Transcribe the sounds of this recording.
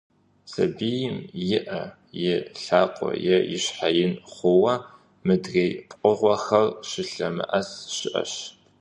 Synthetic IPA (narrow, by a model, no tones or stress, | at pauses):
sɐ̰bijɪmjɪʔɐ | jɪɬaːqʷʼɔ̰jɛjɪɕħajɪnχʷʊwɐ | mɨdreːjpʼqʷʼʊʁʷɔxɐrʃɪɬɐmɨ̰ʔɐsʃɪʔɐ̰ɕ